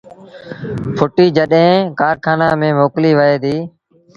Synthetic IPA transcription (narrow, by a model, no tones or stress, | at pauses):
pʰʊʈiːd͡ʒəɗɦẽːkaːɾkʰaːnaːmẽːmoːkliːʋəeːd̪iː